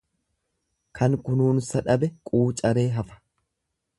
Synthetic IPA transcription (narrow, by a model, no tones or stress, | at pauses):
kʰɐŋkʊnuːnsɐᶑɐbɛkʼuːt͡ʃʼɐɾe̞ːɦɐfɐ̥